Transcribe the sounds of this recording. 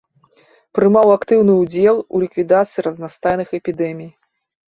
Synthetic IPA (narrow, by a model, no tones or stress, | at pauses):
pɾɨmawakt̪ɨwnɨud͡zʲɛlˠṵlʲikvʲid̪at̪sɨjiɾɐznast̪ajnɨxɛpʲid̪ɛmʲij